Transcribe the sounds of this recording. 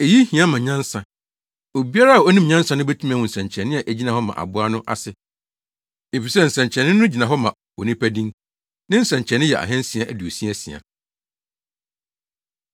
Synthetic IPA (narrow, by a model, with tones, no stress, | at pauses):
e˨ji˦hĩ˨ã˦mã˨ɲã˦n˦sa˨ | o˨bi˦a˦ɾa˦a˨o˦nĩ˦mɲã˦nsa˦nʊ̃˦be˦tʰu˦m˦ã˨wʊ̃˨n̩˨sɛ̃˨ɲ˨t͡ɕʰɛ˨nːɪ̃˦a˨ʔæ˨d͡ʑi˦nã˨hɔ˦mã̰˨ʔa̰˨bʊ˦a˦nʊ̃˦ʔa̰˨sɪ˦˨ | e˨fi˨sɛ˦˨n̩˨sæ̃˨ɲt͡ɕʰɛ˨nɪ̃˦ʊ̃˦d͡ʑi˨nã˨ɦɔ˦mã˨ | o˨nĩ˦pʰæ˦dĩ˦ŋ | nɪ̃˦n̩˦sɛ̃˨ɲt͡ɕʰɛ˨nɪ̃˦jɛ̰˨ʔa̰˨ɦɛ̃˦n̩˦sĩ˨a˨ʔæ˨du˨o˨si˦æ˦sḭ˨a̰˨